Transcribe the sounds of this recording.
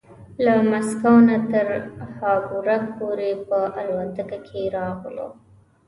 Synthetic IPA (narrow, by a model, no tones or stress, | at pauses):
lamaskawnat̪əɾhɑbuɾapoɾepəʔalwant̪əkakʰeɾɑɣlo̰